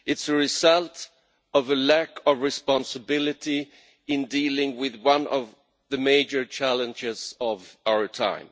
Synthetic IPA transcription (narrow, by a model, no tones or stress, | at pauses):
ɨtsəɹɪzʌlˠt | ʌvəlækʰʌvɹɨspɑ̃nsəbɪlɨti | ɪ̃ndiːlɪ̃ŋwɪðwʌ̃nʔʌv | ðɨmeɪd͡ʒə˞t͡ʃʰælˠə̃nd͡ʒɪz̥ʌvaʊə˞tʰã̰ɪ̃m